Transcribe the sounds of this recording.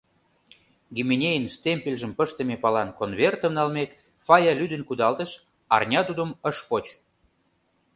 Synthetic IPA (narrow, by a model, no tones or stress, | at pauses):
ɡimenʲejənst̪emʲpʲelʲʒə̆mpəʃt̪ə̆mepɑlɑnkonβert̪ə̆mnɑlmet̪ | fɑjɑlʲyd̪ə̆nkud̪ɑlt̪əʃ | ɑ̰rnʲɑt̪ud̪ə̆məʃpot͡ɕ